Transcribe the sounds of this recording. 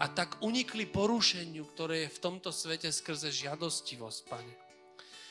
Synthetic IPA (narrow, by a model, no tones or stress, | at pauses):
at̪aɡuɲiklipɔɾuʃɛɲɪukt̪ɔɾɛːjɛft̪ɔmt̪ɔsʋɛcɛskr̩zɛʒɪad̪ɔsciʋɔsc̚paɲɛ